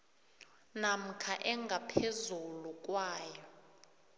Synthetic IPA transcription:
nam̩kʰaʔɛŋɡʱapʰezuluk̬ʼwaːjɔ

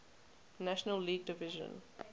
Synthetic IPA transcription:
næʃənəlːiːɡ̚dɪvɪʒə̰̃n

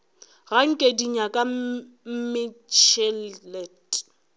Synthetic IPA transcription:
ɣaŋ̩kʼediɲakʼa | m̩mɪt͡ʃʰɛllɛtʼ

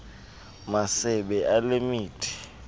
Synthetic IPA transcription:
masɛɓɛʔalemiːtʰʼi̥

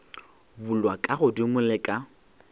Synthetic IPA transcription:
bʊlwakʼaɣʊdimʊlɪkʼa

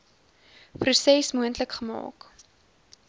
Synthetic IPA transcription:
prusɛsmuəntləkχəmɑ̰ːk

